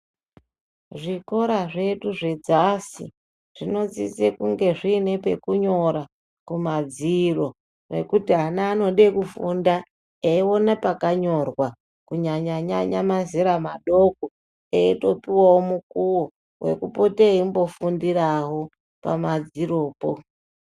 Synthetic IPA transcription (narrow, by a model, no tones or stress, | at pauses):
ʐiko̞ɾaʐe̞ɗuʐe̞d͡zasḭ | ʐ̥ino̞d͡zḭt͡sekuŋɡe̞ʐiːne̞pekuɲo̞ɾa | kumad͡ziro̞ | re̞̰kutiɦanaːno̞ɗekufunda | eiwo̞napakaɲo̞rwa | kuɲaɲaɲaɲamazeɾamaɗo̞ko | eito̞piwawomukuwo | we̞̰kupo̞teimbo̞fundiraɦo̞ | pa̰mad͡ziro̞ːpo